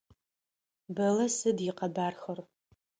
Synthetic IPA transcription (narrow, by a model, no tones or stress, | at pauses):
bɐlɐsɨdjɪqɐbaːrxɐr